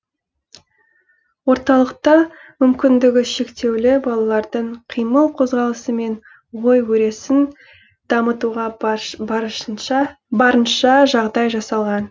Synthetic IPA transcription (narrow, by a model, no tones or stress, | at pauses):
wo̞ɾt̪ɑlˠəqt̪ɑmʏmkʲɪnd̪ɪɡʲɪʃe̞kt̪e̞wlɪbɑlˠɑlˠɑɾd̪əɴqʰijməlˠqʰo̞zʁɑlˠəsəme̞ɴ | wo̞jwɵɾe̞sɪn | d̪̥ɑmət̪uʁɑ | bɑɾənʃɑʒɑʁd̪ɑjʒɑsɑlˠʁɑn